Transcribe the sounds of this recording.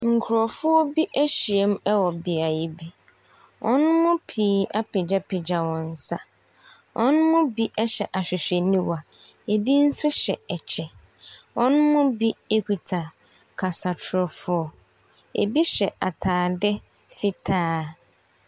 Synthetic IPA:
ŋ̩˨kʰʊ˨ɾɔ˨fʊ˦ɔ˦bi˦ʔæ˦ɕi˨e˦m˦ɛ˦wɔ˨bɪ˨a˨ji˨bi˦ | ʔɔ̰˦nʊ̃˦mʊ̃˦pʰiː˨˦a˦pɪ˨d͡ʑa˦pʰɪ˨d͡ʑa˨wɔ̃˨n̩˦sa˦ | wʔɔ˦nʊ̃˦mʊ̃˦bi˦ʔɛ˦ɕɛ˨ʔa˨ɕᶣɪ˨ɕᶣe˨nĩ˦wa˨ | e˨bi˦n̩˦sʊ˦ɕɛ˨ɛ˨t͡ɕʰɛ˨ | wɔ̃˦nʊ̃˦mʊ̃˦bi˦e˦kʰu˨tʰa˨ | kʰa˨sa˨tʰɾɔ˨fʊ˦ɔ˦ | ḛ˨bi˦ɕɛ˨ʔa˨tʰaː˨dɛ˦ | fɪ˦tʰaː˦

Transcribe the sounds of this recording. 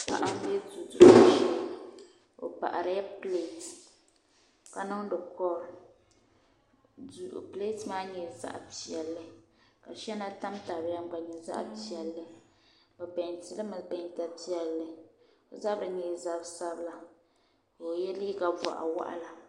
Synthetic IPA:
ka̰˨ʔa˦m˦bɛ˦zu˨du˨˦ʃɛ˦ | o̰˨pa̰˨ʔa˨ɾa˦jɛ˦ple˦˨t | ka˨nɨ˦ŋ˦dɨ˨kɔ˦ɾ | du˨ʔple˦tmaː˦ɲɛ˨za̰˦˨ʔpi˨ɛ˨lːɨ˦ka˨ʃɛ˦na˦ta˦mta˨bja˦m˦ɡ͡ba˨ɲɛ˨za̰˦ʔpi˦˨ɛ˨lːɨ˦ | bɨ˨bɛ˨ɲtɨ˦lɨ˦mɨ˨bɛ˨ɲ˦ta˨pi˦ɛ˨lːɨ˨ | o˨za˦bɨ˨ɲɛ˨za˦bsa˦bɨ˦la˨ | ko˨jɛ˦li˦ka˨va̰˨ʔa̰˨wa̰˦ʔa̰˦la˨

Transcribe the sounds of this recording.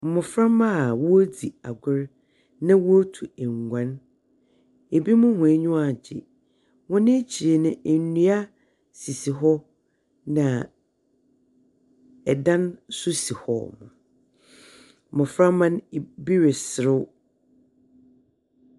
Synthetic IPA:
m̩˨mʊ̃˨fɾa˦mã˦˨wɔ˦o˦di˨a˨ɡʷʊ˦ɾ | nã˦wɔ˦tʰu˨ɛ˨ŋ˨ɡʷã˦n | e˨bi˦mʊ̃˦hʊ̃˨e˦ɲʊ̃˦a˨d͡ʑɪ̰˨ | wɔ̃˦nɪ̃˦t͡ɕʰi˨ɾe˨nʊ̃˦˨˦nũ˦a˦ | si˨si˨ɦɔ˦ | nã˨ | ɛ˨dã˦nsʊ˦si˨hɔ̰˦˨mã̰˨ | mʊ̃˨fɾã˦mã˦n˨bi˦ɾɪ˨sɪ˨ɾɪ˦w

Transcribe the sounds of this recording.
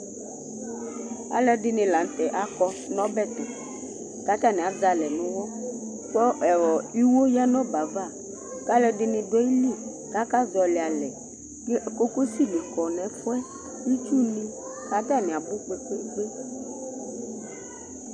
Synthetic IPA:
a̰˨lɛ˦ɖɪ˨nɪ̃˨la˨n˨˦t̪ɛ˨ʔa˨kɔ˦ | nɔ̃˦bɛ˦˨t̪ɔ˨ | ka˦t̪a˦˨nɪ̃˨a˨d͡za˨lɛ˨nʊ̃˦wɔ˦ | k͡pɔ˦ɛ˨wɔ˨i˦wo˦ja˦nɔ̃˦ba˨va˦˨ | ka˦lɛ˨ɖɪ˨nɪ̃˨dɔ˦i˦li˦˨ | ka˦ka˦zɔ˨li˨a˨lɛ˨ | ɲɛ˦ʔe˨ko˦ko˦si˦li˨kɔ˨nɛ̃˨fɔ˦ɛ˦ | i˦t͡ʃu˦nĩ˦ | ka˦t̪a˦nɪ̃˨a˨bʊ˦k͡pe˦ko˦k͡pe˦

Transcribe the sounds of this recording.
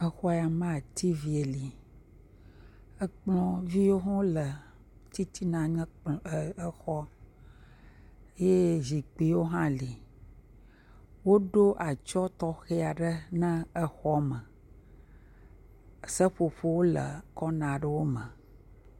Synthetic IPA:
ə˦xɔ˦˨a˨mã˦a˨t̪ʰi˦vi˨e˨li˨ | ə˦k͡plɔ̃˦vi˦wo˦ɦɔ̃˦lə˨ | t̪i˦t̪ʰi˦nã˨ɲɛ̃˦k͡pə˦xɔ˦ | e˦je˦zi˨k͡pi˨˦wo˦ɦã˦li˨ | wo˦ɖo˦ʔa˨t͡ʃɔ˦t̪ɔ˦xe˦a˨ɖə˦nə̃˦ə˦xɔ˦mə˨ | sə˦ɸo˨ɸo˦wo˦lə̰˨kɔ˦nã˨ɖə˦wo˦mə̃˨

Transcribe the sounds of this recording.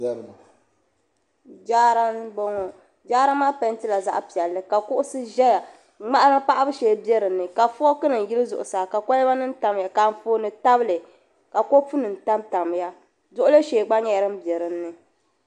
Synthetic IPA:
d͡ʒaː˦ɾa˦n˦bo˦ŋo˨ | d͡ʒaː˦ɾa˦maː˦pa˦n˦tɨ˦la˨za̰˦ʔpi˨ɛ˨lːɨ˦ka˨kʊ˦ʔʊ˦sɨ˦ʒɛ˦ja˨ | ŋ͡ma˦ʔa˦ɾɨ˦pa˦ʔa˦bɨ˦ʃeː˨bjɛ˦ɾɨ˨nːɨ˨ka˨fɔ˦kɨ˦nɨ˨n˨ji˦lɨ˦zʊ̰˨ʔʊ˨saː˨ka˨ko˦lɛ˦ba˦nɨ˦n˦ta˨m˨ja˨ka˨m˦foː˦nɨ˨ta˦bɨ˦lɨ˨ | ka˨ko˦pu˦nɨ˨n˨ta˦mta˨m˦ja˦ | zʊ˦ʔʊ˦lɨ˦ʃeː˨ɡ͡ba˦ɲɛ˦a˦ɾɨ˦m˦bɛ˨ɾɨ˨nːɨ˨

